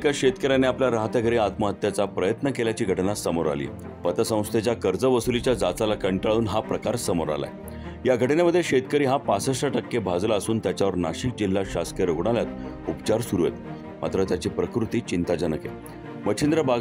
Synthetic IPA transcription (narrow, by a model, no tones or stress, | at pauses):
kaɕet̪kəɾaneapljaɾaɦət̪jaɡʱəɾiːat̪məɦət̪ːjat͡sapɾəjət̪nəkeljat͡ɕiːɡʱəʈnasəmoɾa̰lḭː | pət̪əsə̃w̃st̪ʰet͡ɕjakəɾd͡zəʋəsulit͡ɕjad͡zat͡salakəɳʈaɭuːnɦapɾəkaɾsəmoɾa̰la̰e | jaɡʱəʈinaməd̪ʱːjeɕet̪kəɾiːɦapasəsʈəʈəkːebʱad͡zlaəsuːnt̪jat͡ɕjaʋəɾnaɕik̚d͡ʑil̤ːaɕask̪jəɾoɡɽ̃aljat̪ | upt͡ɕaɾsuɾuɦḛt̪ | ma̰t̪ɾət̪jat͡ɕipɾəkɾut̪iːt͡ɕint̪ad͡ʑənəkḛ | məɕʰind̪ɾəba